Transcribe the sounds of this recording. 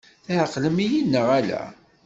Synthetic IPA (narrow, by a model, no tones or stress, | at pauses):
θæʕəqːləmijinːəʁælæ̰